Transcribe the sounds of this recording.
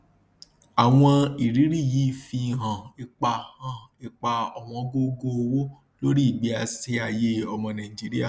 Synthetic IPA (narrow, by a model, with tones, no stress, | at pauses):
a˨w̃ɔ̃˧i˨ɾi˨˦ɾi˦˨ji˨˦i˦˨fĩ˧˨ɦã˨e˧k͡pa˧hã˨˦˨e˧k͡pa˧ɔ˨w̃ɔ̃˧ɡo˦ɡo˦˧o˧wo˦ | lo˦ɾi˦˨ɡ͡bi˨˦a˧se˧˦a˨je˦ɔ˧mɔ̃˧nã˨i˨d͡ʒi˨˦ɾi˦a˦˨